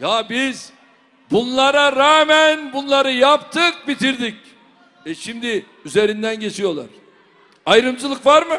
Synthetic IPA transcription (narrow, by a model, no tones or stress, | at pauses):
jabiz | bunlˠaɾaɾaːmænbunlˠaɾɯjapt̪ʰɯk̚bit̪ʰiɾd̪ic | ɛʃimd̪ɪ | yze̞ɾind̪ænɟe̞t͡ʃʰijo̞lˠa̰ɾ̥ | ajɾɯmd͡ʒɯlˠɯkvaɾmɯ